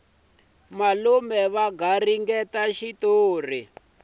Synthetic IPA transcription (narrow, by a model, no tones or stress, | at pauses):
malumɛβaɡariŋɡɛtaʃitoːr̤i